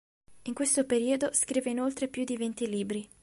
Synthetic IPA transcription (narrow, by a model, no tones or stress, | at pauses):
iŋkwest̪opeɾiːod̪oskɾiːveinolt̪ɾepjud̪ivent̪iliːbɾi